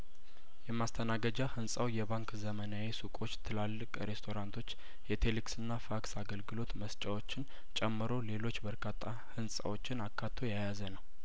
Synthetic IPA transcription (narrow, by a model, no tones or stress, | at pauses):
jɛmːast̪ʰənaɡəd͡ʒahɨnsʼawjɛβaŋkzəmənawesukʼo̞t͡ʃːt̪ʰɨlalːɨkʼɾe̞st̪ʰo̞ɾant̪ʰo̞t͡ʃː | jɛt̪ʰe̞liksɨnːafaksaɡəlɡɨlo̞t̪məst͡ʃʼawo̞t͡ʃːɪn | t͡ʃʼɛmːɨɾo̞le̞lo̞t͡ʃːbəɾkʰat̪ʰʼːa | hɨnsʼa̰wo̞t͡ʃːɪnakʰːat̪ʰːo̞jajazənəw